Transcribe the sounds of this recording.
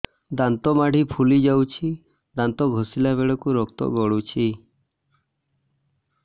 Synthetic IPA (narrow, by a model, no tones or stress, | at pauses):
d̪ant̪ɔmaɽ̤ʱipʰulid͡ʒawt͡ʃʰi | d̪ant̪ɔɡʱosilabeɭɔkuɾɔkt̪ɔ̰ɡɔɽut͡ʃʰi